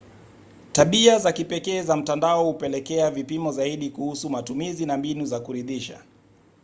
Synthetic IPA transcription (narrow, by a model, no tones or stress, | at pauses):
taɓiazakipɛkɛːzam̩tandaɔhupɛlɛkɛavipimɔzaiɗikuhusumatumizinambinuzakuɾiðiʃa̰